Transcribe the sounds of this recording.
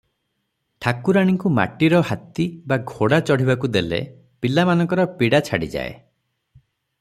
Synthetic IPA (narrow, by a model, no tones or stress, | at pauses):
ʈʰakuɾaɽ̃iŋkuma̰ʈiɾɔɦat̪ibaɡʱoɽat͡ʃɔɽ̤ibakud̪elḛ | pilamanɔ̃ŋkɔɾɔpiɽat͡ʃʰaɽḭd͡ʒa̰ḛ